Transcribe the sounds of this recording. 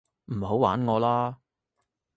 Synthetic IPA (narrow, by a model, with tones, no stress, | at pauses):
m̩˨˩ɦo˨˥wa̰ː˨˥nŋɔː˨˧laː˥